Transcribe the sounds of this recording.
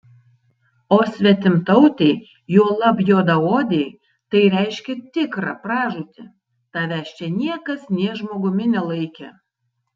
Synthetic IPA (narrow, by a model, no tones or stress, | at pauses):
oːsʲʋʲɛt̪ʲɪmt̪ɐʊt̪ʲɛɪ | juɔlˠɐbjoːd̪ɐoːd̪ʲɛɪ | t̪ɐɪɾʲɛɪʃʲkʲɛt̪ʲɪkɾɑpɾɑːʒuːt̪ʲɪ̰ | t̪ɑːʋʲæːʃʲt͡ʃʲɛnʲiɛkɐsnʲiɛʒmoːɡʊmʲɪnʲɛlˠɐɪkʲɛ